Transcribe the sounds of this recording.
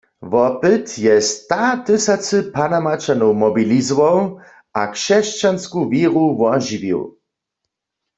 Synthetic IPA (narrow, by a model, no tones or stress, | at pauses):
vɔpɨt̪jɛst̪at̪ɪsat͡sɨpanamat͡ʃanɔwmɔbilizɔwɔw | akʃɛʃt͡ʃanskuviʁuwɔʒivḭw